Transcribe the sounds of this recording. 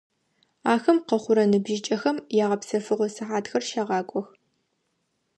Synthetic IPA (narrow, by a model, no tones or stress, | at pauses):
aːxɐmqɐχʷʊɾɐnɨbʒɪt͡ʃʼɐxɐmjaːʁɐpsɐfɨʁʷɔsɨħaːtxɐrʃaːʁɑːkʷʼɔx